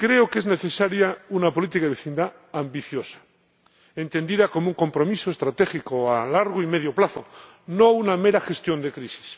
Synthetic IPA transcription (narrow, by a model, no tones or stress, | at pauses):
kɾe̞oke̞zne̞θe̞saɾjaunapo̞lit̪ikaðeeθind̪a | ambiθjosḁ | ent̪e̞nd̪iðako̞mouŋko̞mpɾo̞misoest̪ɾat̪exikoalaɾɣ̞oime̞ð̞joplaθo̰ | nounameɾaxe̞st̪jo̞nd̪e̞kɾisi̥s